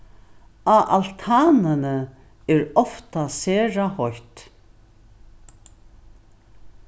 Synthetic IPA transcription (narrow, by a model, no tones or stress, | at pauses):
aʔalt̪ʰaːnɪnə | ɛɾɔft̪asɛːɹahɔjt̪